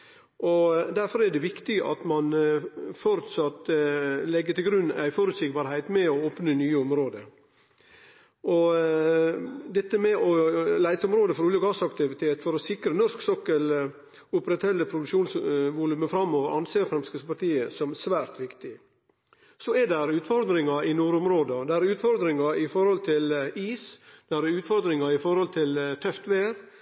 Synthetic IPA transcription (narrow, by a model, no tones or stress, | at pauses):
ʔɔd̪æɾfɔɾæɖɛʋɪkt̪ɪɡəʔɑ̰t̪mɑnfɔɾt̪sɑt̪lɛɡːət̪ɪlɡɾʉnːæ̰ɪfɔɾʉt̪sɪɡbɑɾhæɪt̪mɛɔoːpnənyːəɔmɾoːd̪ə | ʔɔ | d̪ɛt̪ːəmɛʔɔlæɪt̪əɔmɾoːd̪əfɔɾuːləɡɑsɑkt̪ɪʋɪt̪ʰeːt̪fɔɾɔsɪkɾənɔɾsksɔkːəl | ʊpɾɛt̪hɛlːəpʰɾʊd̪ʉʃuːnsʋʊlʉməfɾɑmːoːʋəɾɑnseːfɾɛmskəspɑɾʈ̪iːəsɔmsʋæːɾt̪ʋɪkt̪ɪ | sɔɛdɛɾʉːt̪fɔɾd̪ɾɪŋɑɪnuːɾʊmɾoːd̪əd̪æɾʉːt̪fɔɾd̪ɾɪŋɑɪfɔɾhɔlt̪ʰɪliːsd̪̥æɾʉːt̪fɔɾd̪ɾɪŋɑɪfɔɾhɔlt̪ʰɪlt̪ʰœft̪ʋeːɾ